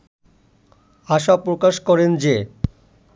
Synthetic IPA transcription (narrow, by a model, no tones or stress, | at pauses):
aʃapɾokaʃkɔɾend͡ʑe